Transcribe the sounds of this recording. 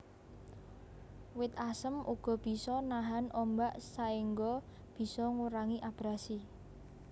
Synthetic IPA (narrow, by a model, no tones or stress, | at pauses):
wɪt̪̚asəmʔuɡ̥ɔ̤b̥i̤sɔnaɦanʔɔmbaʔsaiŋɡɔ | b̥i̤sɔŋuɾaŋiʔab̥ɾasi